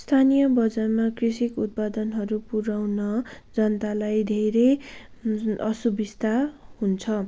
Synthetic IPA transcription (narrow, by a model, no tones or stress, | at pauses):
st̪ʰanijʌbʌd͡zarmakrisikut̪̚pad̪ʌnɦʌɾupuɾawnʌd͡zʌnt̪alajd̪ʱeɾe | ʌsubist̪ahunt͡sʰʌ